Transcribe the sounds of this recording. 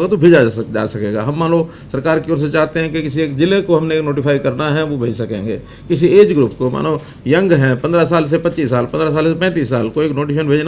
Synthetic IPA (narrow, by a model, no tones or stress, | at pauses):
ɡat̪obʱeːd͡ʒad͡ʒa̰ːsɐkeːɡa̰ɦɐmːãːnloː | sɐɾkaːɾkiɔːɾset͡ʃaːɦt̪eɦɛ̃kikɪs̬ieːkd͡ʒɪlekoɦɐmneknoːʈɪfʰaːikɐɾnaɦɛʋobʱeːd͡ʒsɐkḛ̃ːŋɡḛː | kɪs̬ieːd͡ʒɡɾuːpkoma̰ːno | jɐ̃ŋɡɦɛ̃pɐ̃nd̪ɾas̬aːls̬epɐtːt͡ʃiːsːaːlpɐ̃nd̪ɾas̬aːlsepɛ̃ːt̪̬iːsːaːlkoeːknoːʈeːʃ̬ənbʱeːd͡ʒna